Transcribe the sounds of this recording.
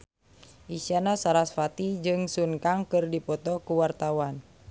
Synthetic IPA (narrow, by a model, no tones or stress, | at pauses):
ʔisianasaɾasfat̪id͡ʒɨŋsuŋkaŋkɨrdipɔt̪ɔkuwart̪awan